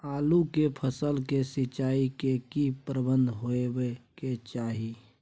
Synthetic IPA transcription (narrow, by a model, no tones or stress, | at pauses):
aːlukepʰəsəlkesɪt͡ʃaːikekipɾəbə̃nd̪ʱɦoebeket͡ʃaːɦi